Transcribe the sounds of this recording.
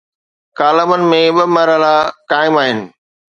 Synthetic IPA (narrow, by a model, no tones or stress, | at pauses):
kaːləmənɪ̆mẽɓɪmɐɾəlakaːɪmaːɦɪnɪ̆